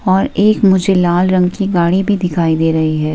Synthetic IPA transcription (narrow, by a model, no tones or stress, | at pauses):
ɔːɾeːkmʊd͡ʒʱelaːlɾɐ̃ŋɡkiɡaːɽibʱid̪ɪkʰaːid̪eːɾɐɦiɦɛː